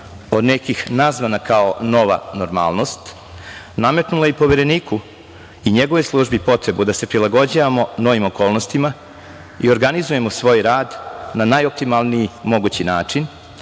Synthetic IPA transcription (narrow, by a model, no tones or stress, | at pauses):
o̞d̪nekixnazʋanakaono̞ʋa̰noɾma̰ːlno̞st̪ | name̞t̪nulajipo̞ʋeɾe̞niːku | iɲeɡoʋeslˠuʒbipo̞t̪ɾe̞bud̪ase̞pɾilˠaɡo̞d͡ʑaʋamo̞no̞ʋimo̞ko̞ːlˠnost̪ima | ḭo̞ɾɡanizuje̞mosʋo̞ːjɾaːd̪nanajop̚t̪imalˠnijimo̞ɡut͡ɕinaːt͡ʂin